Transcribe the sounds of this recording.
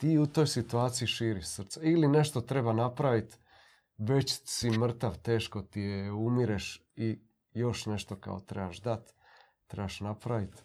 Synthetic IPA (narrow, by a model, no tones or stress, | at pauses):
t̪iːut̪o̞jsit̪uaːt̪sijiʃiːɾiʃsr̩t̪seiline̞ʃt̪o̞t̪ɾe̞banapɾaʋit̪ | ʋe̞t͡ɕsimr̩t̪aʋt̪e̞ːʃko̞t̪ijeumiɾeʃ | i | jo̞ʃne̞ʃt̪o̞ka̰o̰t̪ɾe̞baʃd̪at̪ː | ɾebaʃnapɾaʋit̪